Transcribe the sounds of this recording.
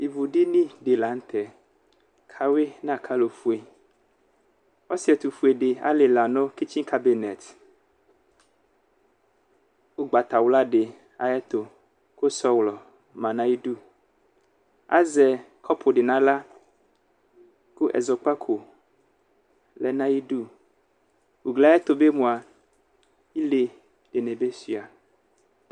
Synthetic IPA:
i˨vu˨ɖi˦nĩ˦ɖe˨la˨˦ŋ̩˦t̪ʰɛ˨ | kʰa˦we˦nã˦˨kʰa˦lo˨fu˦e˨ | ɔ˦si˦ɛ˨t̪u˨fu˦e˨ɖe˨a̰˦le˨la˨nɔ̃˦ki˦t͡ʃĩ˦ka˦bi˨nɛ˨t̪ | wo˦ɡ͡ba˨t̪a˨wla˦ɖe˨ | a˨jɛ˦t̪o˨ | ko˦sɔ˦wlɔ˨ | mã˨nã˦ji˦ɖu˦ | a̰˦zɛ˨ | kʰɔ˦pʰo˨ɖe˨nã˨la˦ | ku˦ʔɛ̰˨zɔ˨k͡pa˦kʰo˨ | lɛ˨nã˦ji˦ɖu˦ | wu˨ɡlɛ˨˦ɛ˦t̪o˨be˦mũ˨a˨ | i˦le˨ | ɖ̥e˨nẽ˨be˦si˨a˨

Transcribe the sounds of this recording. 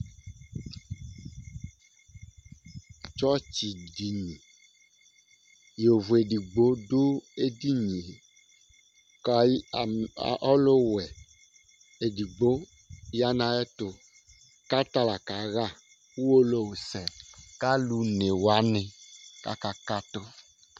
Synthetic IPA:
t͡ʃɔ˦t͡ɕi˨ɖi˨ɲĩ˨ | jo˨vu˨e˨ɖi˨ɡ͡bo˦ɖo˦e˦di˦ɲĩ˨ | kʔɔ˦lo˦wɛ˨ | e˨ɖi˨ɡ͡bo˦ | ja˦nã˨ɛ˦t̪o˨ | ka˦t̪a˦la˨ka˨ɣa˦ | wu˦wo˦lo˦wo˨sɛ˨ka˦lu˨˦ne˨wa˦nɛ̃˨ka̰˦ka˦ka˦t̪ɔ˦

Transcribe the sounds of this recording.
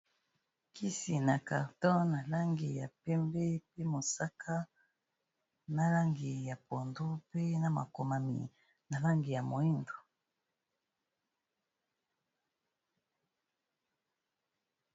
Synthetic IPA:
ki˦si˨na˨ka˨ʁtɔ˦na˨la˦ŋɡi˨ja˨pɛ˦mbɛ˦pe˦mo˨sa˦kʰa˦ | na˦la˦ŋɡi˨ja˨po˨ndo˦pe˦na˦ma̰˨ko˨ma˨mḭ˨ | na˨la˦ŋɡi˨ja˨mo˨i˦ndo˨

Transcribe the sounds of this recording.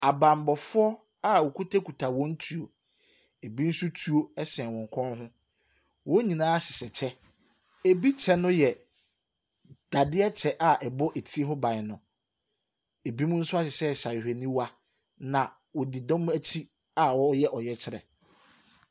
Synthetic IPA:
a˨bã˨m˨bɔ˨fʊ˦ɔ˦ | a˦wɔ˨kʰu˦tʰe˦kʰu˨tʰa˨wɔ̃˦n̩˦tʰu˨o˨ | e˨bi˦n̩˦su˦tʰu˦o˦ɛ˦sɛ̃˨wɔ̃˨ŋ˨kʷʰɔ̃˦nɦʊ̃˦ | wɔ̃˦ɲĩ˨nãː˦ɕɪ˨sɛ˨t͡ɕʰɛ˦ | e˨bi˦t͡ɕʰɛ˦nʊ̃˦jɛ˨ | d̥a˨dɪ˦ɛ˦t͡ɕʰɛ˦ʔa˦ʔɛ˨bɔ˦ʔe˨tʰi˦e˦ɦɔ˦bã˨nʊ̃˨ | e˨bi˦mʊ̃˦n̩˦sʊ˦a˦ɕɪ˨ɕɛ˦˨ɕa˨ɪ˨hᶣe˨nĩ˦wa˦ | nã˨ | wɔ˨di˨dɔ̃˦m˦æ˦t͡ɕʰi˦ | a˦wɔ˦jɛ˦ʔɔ˨jɛ˦t͡ɕʰɪ˦ɾɛ̰˨

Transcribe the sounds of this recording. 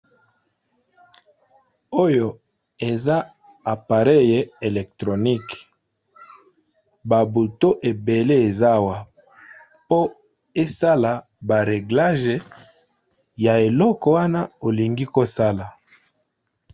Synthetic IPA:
o˦jo˨ | e˨za˦ | a˨pa˨ʁe˦je˨e˨lɛ˨ktʁo˨ni˦k | ba˨bu˨to˦ʔe˨be˨le˦e˨za˦˨wa˨ | po˦ | e˦sa˦la˨ | ba˨ʁe˨ɡla˦ʒe˨ | ja˨e˨lɔ˦kɔ˨wa˦na˦o˨li˨ŋɡi˦ko˦sa˦la˨

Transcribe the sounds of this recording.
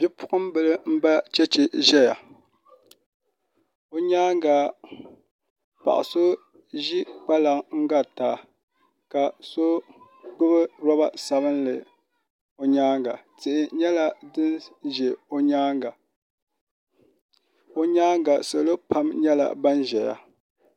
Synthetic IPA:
bʲi˦pʊ˦ʔʊ˦mbɨ˦lɨ˦m̩˦ba˦t͡ʃɛ˦t͡ʃɪ˨ʒɛ˦ja˨ | o˦ɲaː˦ŋɡa˨ | pa̰˨ʔa̰˨so˦ | ʒi˦k͡pa˦la˨ŋŋ̩˦ɡa˦taː˨ | ka˨so˦ | ɡ͡bʊ˦bɨ˦ɾɔ˦ba˦sa˨bɨ˦nlɨ˨ | o˨ɲaː˦ŋɡa˨tɨ˨ʔɪ˨ɲɛ˦la˨dɨ˦nʒe˨o˦ɲaː˦ŋɡa˨ | o˨ɲaː˦ŋɡa˨so˨lo˦pa˦mɲɛ˦la̰˨ba˦n˦ʒɛ˨ja̰˨

